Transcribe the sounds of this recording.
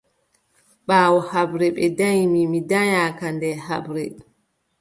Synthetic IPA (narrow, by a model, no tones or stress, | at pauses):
ɓaːwɔhabɾɛɓɛdajmimidaɲakandɛɦa̰bɾɛ